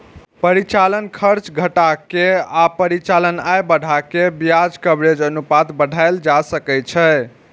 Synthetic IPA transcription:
pəɾit͡ʃalənkʰəɾt͡ʃɡʱəʈakeapəɾit͡ʃalənajbəɽʱakebjad͡ʒkəbɾed͡ʒənupat̪bəɖʱajld͡ʒasəkɛt͡ʃʰɛ

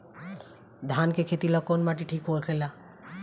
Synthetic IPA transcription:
d̪ʱaːnkekʰet̪ilakɔnmaʈ̬iʈʰiːkɦoekʰela

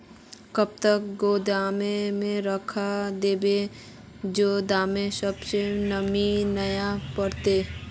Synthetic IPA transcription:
kəb̚t̪əkɡoːd̪aːmẽmẽɾəkʰad̪eːbe | d͡ʒoːd̪aːmẽsəbsenəminəjapəɾt̪eː

